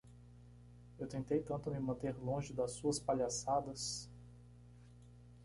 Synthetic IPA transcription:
ewt̪ẽnt̪ejt̪ɐ̃nt̪ʊmɪmɐ̃nt̪eɾlõʒɪd̪ɐsːuɐspaʎasad̪ɐs

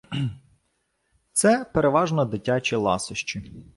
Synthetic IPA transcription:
t̪sɛpeɾeʋɑʒnɔd̪ɪtʲat͡ʃʲilˠɑ̰sʊʃt͡ʃi

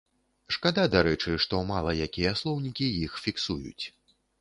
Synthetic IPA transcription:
ʂkad̪ad̪aɾɛt͡ʂɨʂt̪ɔmalˠɐjakʲijɐslˠɔwnʲikʲijixfʲiksujṵt͡sʲ

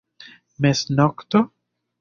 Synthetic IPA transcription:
mesnokt̪o

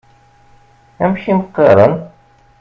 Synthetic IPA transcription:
æmʃiməqːeɾˤən

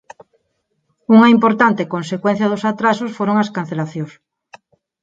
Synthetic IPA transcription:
uŋaimpoɾt̪ant̪ekõnsekwẽn̟θjɐðosat̪ɾasosfoɾoŋaskan̟θelaθjos

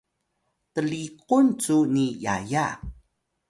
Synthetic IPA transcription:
təlikunt͡sunija̰ja

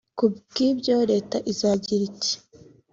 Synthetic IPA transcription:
kubɡibɟoɾe̞ːtaʔizaːɟiɾice̥

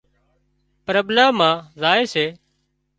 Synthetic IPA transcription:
pɾəblaːmãːzaːeːseː

